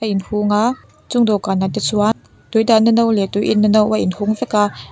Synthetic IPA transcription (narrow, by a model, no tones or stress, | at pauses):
aʔinhuŋa | t͡sʊŋdokaːnatɛt͡suan | t̪ujdaʔnɐnowlɛt̪ujʔinːɐnowʔaʔɪnhuŋvɛka